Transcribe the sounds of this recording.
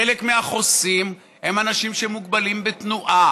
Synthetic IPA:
elekmeaχo̞sim | hemanaʃimʃemuɡbalimbet̪nuʔa

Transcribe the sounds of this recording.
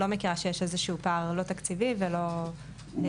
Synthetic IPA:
lo̞mekiʁaʃejeʃe̞zeʃuupaʁlo̞t̪akt͡sivivelo̞

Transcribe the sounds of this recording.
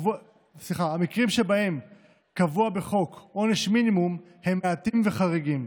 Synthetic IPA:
vu | sliχaamikʁimʃebahe̞m | kavuabe̞χo̞kʔo̞neʃminimum | he̞mːeatimve̞χaʁiɡim

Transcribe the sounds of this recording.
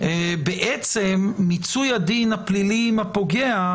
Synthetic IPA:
beʔet͡semːit͡sujad̪inhaplilimapoɡea

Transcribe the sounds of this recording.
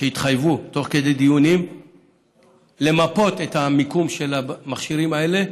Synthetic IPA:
ʃeit̪χajvut̪o̞χked̪e̞jd̪ijunim | le̞mapo̞t̪e̞thamikumʃe̞lamaχʃiʁimae̞le̞

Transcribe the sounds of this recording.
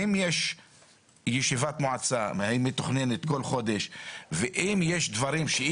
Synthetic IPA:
imjeʃ | jeʃivat̪moʕat͡samhaimet̪aχne̞net̪ko̞lχo̞d̪eʃveʔimjeʃd̪vaɾimʃe

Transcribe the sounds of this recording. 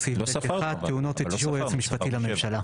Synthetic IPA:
sioat̪ːeunot̪iʃuʁjott͡smiʃpat̪ilamemʃala

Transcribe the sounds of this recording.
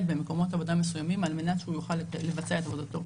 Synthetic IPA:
t̪beme̞ko̞mo̞t̪avo̞d̪amesujamimalme̞nat̪ʃeujuχalːevat͡seae̞t̪avo̞d̪at̪o̞

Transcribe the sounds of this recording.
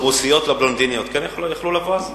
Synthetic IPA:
ʁusijot̪lablond̪inijot̪kɛnjaχljaχlulavaaz

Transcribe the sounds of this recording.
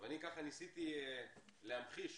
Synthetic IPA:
vanikaχanisit̪i | leamχiʃ

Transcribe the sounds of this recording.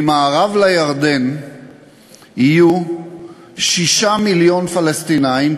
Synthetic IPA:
maːʁavlajaʁd̪en | iju | ʃiʃamiljo̞nfalest̪inaim

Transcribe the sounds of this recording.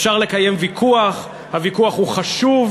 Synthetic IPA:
fʃaʁle̞kaje̞mvikʰuaχ | havikuaχhuχaʃuv

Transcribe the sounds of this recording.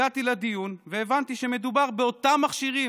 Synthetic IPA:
at̪ilad̪ijunveːvant̪iʃe̞me̞d̪ubaʁbeo̞t̪amːaχʃiʁi

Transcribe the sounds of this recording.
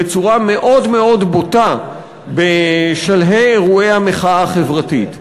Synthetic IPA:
et͡suʁame̞ʔo̞dme̞o̞dbota | beʃalɦejeʁuejhameχaaχevʁatit

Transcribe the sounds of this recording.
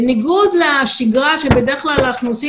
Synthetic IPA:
niɡud̪leaʃiɡʁaʃebed̪eχklalaχnusi

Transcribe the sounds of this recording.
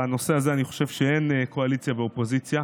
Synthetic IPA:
ano̞se̞azeaniχo̥ʃe̞vʃeenekʰo̞alit͡sjaveo̞po̞zit͡sja

